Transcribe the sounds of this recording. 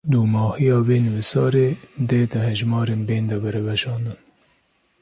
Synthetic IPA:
d̪uːmɑːhijɑːveːnɨwisɑːɾeːd̪eːd̪ɨɦɛʒmɑːɾeːnbeːnd̪ɛbɛɾɛvɛʃɑːnd̪ɨn

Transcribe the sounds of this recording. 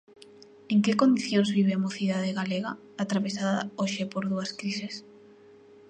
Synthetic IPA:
eŋkekond̪iθjoŋzβiβ̞eamoθiðaðeɣaleɣa | at̪ɾaβesaðɐ̰oʃepoɾðuɐskɾises

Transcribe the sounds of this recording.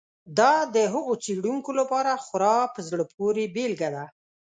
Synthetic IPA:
d̪ɑd̪əɦʊɣot͡seɽuŋkolapɑɾaxʊɾɑpəzɽəp̚ʰoɾebelɡad̪a

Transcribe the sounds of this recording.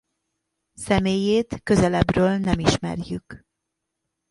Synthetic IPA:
sɛmeːjeːt̪kø̞zɛlɛbrøːlnɛmiʃmɛ̰rjyk

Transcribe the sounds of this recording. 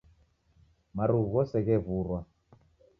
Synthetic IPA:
maɾuɣɔsɛɣɛβuɾwa

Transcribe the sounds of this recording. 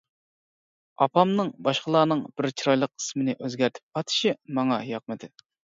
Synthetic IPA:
ɑpʰɑmnɨŋbɑʃqəlˠɑːnɨŋb̥ɪɾt͡ʃʰiɾɑjlˠəqʰə̥smɪnɪʔøzɡʲæɾt̪ʰɪ̥p̚qʰɑt̪ʰɪ̥ʃimɑŋɑjɑq̚mɨd̪ɪ

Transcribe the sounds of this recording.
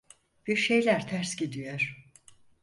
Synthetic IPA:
b̥yɾʃe̞jlʲæɾt̪ʰæɾsɟid̪ijoɾ̥

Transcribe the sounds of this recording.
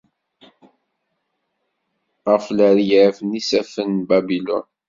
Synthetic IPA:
ʁəfləɾjʕfnisæfənbæbilɔ̰n

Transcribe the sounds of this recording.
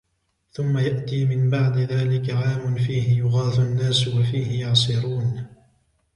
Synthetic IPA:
θʊmːajaʔt̪iːmɪmbaʕd̪ɪðaːlɪkaʕaːmʊnfiːhɪjʊɣɑːθʊʔanːaːswafiːhɪjɑʕsˤɨɾuːn

